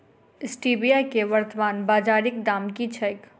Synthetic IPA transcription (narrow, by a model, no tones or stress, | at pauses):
ɪsʈiːbijakeʋəɾt̪əʋaːnbaːd͡ʒaːɾɪk̚d̪aːmkit͡ʃʰɐjk